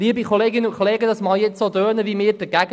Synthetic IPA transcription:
liəbikʰoleːɡɪnəʊnkʰoleːɡədɑsmɑːljɛt͡ssod̪øːnəvimɪːɾd̥əɡæɡ

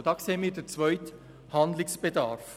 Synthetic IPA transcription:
d̥ɑːkseːəmiːɾdət͡svœʏt | handlɪksb̥ed̪ɑɾf

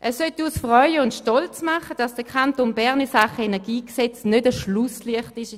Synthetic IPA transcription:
ʔɛsœtuːsfʁœʏəʊntʃtɔlt͡smaχəd̥ɑsd̥əkʰantonbɛʁnisaχəɛnɛɐɡiːksɛt͡snødəʃlʊsliəχtɪʃ

